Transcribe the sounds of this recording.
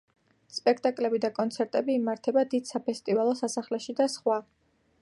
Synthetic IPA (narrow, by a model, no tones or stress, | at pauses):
spʼɛkʰt̪ʼakʼlɛbid̪akʼɔnt̪sʰɛɾt̪ʼɛbiːmaɾt̪ʰɛbad̪id̪̥sapʰɛst̪ʼivalˠɔsasaχlɛʃid̪asχwa